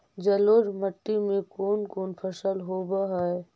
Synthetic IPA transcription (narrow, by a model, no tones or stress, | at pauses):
d͡ʒəloːd͡ʒməʈːimẽkoːnkoːnpʰəsəlɦoːbaɦɛe